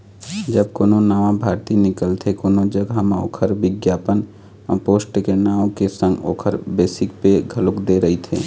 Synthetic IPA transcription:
d͡ʒəb̚koːnõnaːʋãbʱaːɾt̪inɪkəlt̪ʰekoːnod͡ʒəɡʱamao̰ːkʰəɾʋɪɡjaːpən | ə̃poːsʈkenaːõkesə̃ŋɡo̰ːkʰəɾbeːsɪkpeɡʱəlʊkd̪eɾəɦit̪ʰḛː

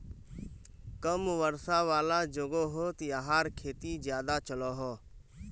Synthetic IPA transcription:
kəmʋəɾsaːʋaːlaːd͡ʒoɡoːɦoːt̪iaɦaːɾkʰeːt̪id͡ʒjaːd̪at͡ʃəloːɦoː

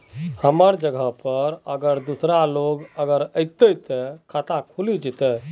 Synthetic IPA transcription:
həməɾd͡ʒəɡʱəɦpəɾəɡəɾd̪usɾaloɡəɡəɾəɪt̪ət̪ɛkʰat̪ãkʰulid͡ʒit̪ɛ

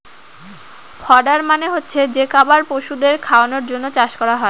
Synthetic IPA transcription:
fʰɔɖaɾmaneɦotːɕʰed͡ʑekabaɾpoʃud̪eɾkʰaonoɾd͡ʑonːot͡ɕaʃkɔɾaɦɔe

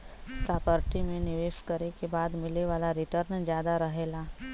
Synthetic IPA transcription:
saːpəɾʈimẽnɪʋeːʃkəɾekebaːd̪mɪleʋaːlaɾɪʈəɾnd͡ʒjaːd̪aɾɐɦeːlaː

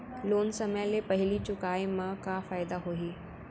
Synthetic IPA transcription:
loːnsɐmjãlepɐɦɪlit͡ɕʊkaːemãkafaːjd̪aɦoiː

